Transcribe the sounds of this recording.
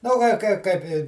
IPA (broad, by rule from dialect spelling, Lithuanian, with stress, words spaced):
nʊ ˈɡɐlʲ ˈkɐɪ ˈkɐɪp ɪ